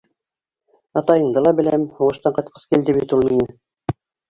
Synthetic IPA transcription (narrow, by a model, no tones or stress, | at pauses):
ɑt̪ɑjɤ̆ɴd̪ɤlˠɑbɘ̆læmhŭʁɤ̆ʃt̪ɑɴqɑt̪̚qʰɤ̥skild̪ɘβit̪ulˠminɘ